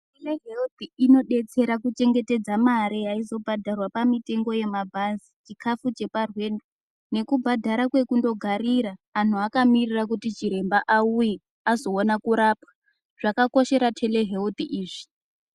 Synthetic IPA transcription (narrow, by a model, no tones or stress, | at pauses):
teleɦeut̪iino̞ɗe̞t͡se̞ɾakut͡ʃe̞ŋɡe̞te̞d͡zamaɾijaizo̞bʱadʱarwapamite̞ŋɡo̞je̞mabʱazit͡ʃikʰafut͡ʃe̞parwe̞ndo | ne̞kubʱadʱaɾakwe̞kundo̞ɡʱaɾiɾaːn̤uakamirirakutit͡ʃiɾe̞mbaʔauje | azo̞onakuɾapḁ | ʐ̥akako̞ʃe̞ɾatʰe̞le̞ɦe̞ut̪iʔiːʐi̥